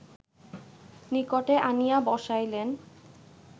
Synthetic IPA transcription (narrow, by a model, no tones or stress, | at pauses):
nikoʈeʔanijabɔʃajlen